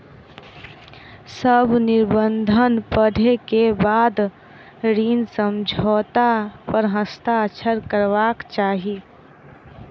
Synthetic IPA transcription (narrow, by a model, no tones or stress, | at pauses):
səbʱnɪɾbənd̪ʱənpəɽʱekebaːd̪ | ɾiːnsəmd͡ʒʱɔːt̪apəɾɦəst̪aət͡ʃʰəɾkəɾʋaːkt͡ʃaːɦie